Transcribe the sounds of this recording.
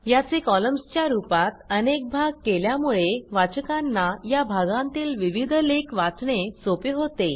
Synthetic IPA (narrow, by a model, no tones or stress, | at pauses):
jat͡sekɔləmst͡ɕjaɾupat̪ənek̚bʱaɡ̚keljamuɭeʋat͡ɕəkanːajabʱaɡãnt̪iːlʋiʋid̪ʱlekʋat͡sɳesopeɦot̪e